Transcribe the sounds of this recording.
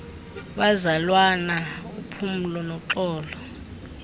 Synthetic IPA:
ɓazalwanaupʰum̩lɔnɔǁɔːlɔ

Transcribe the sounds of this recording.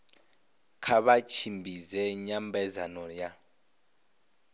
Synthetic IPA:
kʰaβat͡ʃʰimbʱizɛɲambʱɛzanɔja

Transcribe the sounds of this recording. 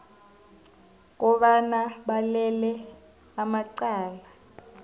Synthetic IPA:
k̬ʼɔɓanaɓalɛlɛ | amaǀaːla

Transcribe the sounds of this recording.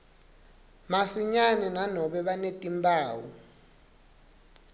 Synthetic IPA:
masiɲanɛnanɔɓɛɓanetʼimbʱaːwu

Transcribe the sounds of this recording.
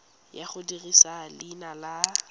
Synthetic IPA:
jaχʊdirisalinala

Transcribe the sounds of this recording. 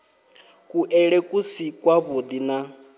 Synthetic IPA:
kʼuʔɛɺɛkʼusikʼwaβod̪ina

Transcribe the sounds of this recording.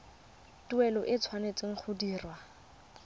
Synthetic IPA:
tuɛlɔʔɪt͡sʰwanet͡sʼɪŋ̩χʰʊdiːrwa

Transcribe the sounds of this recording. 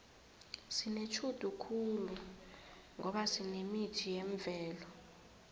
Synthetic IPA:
sinet͡ʃʰud̥ʱukʰulu | ŋɔɓasinemitʰijeɱvʱɛːlɔ

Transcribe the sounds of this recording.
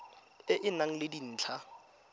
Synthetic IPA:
ɪʔɪnaŋ̩lɪdin̩ːt͡ɬʰa

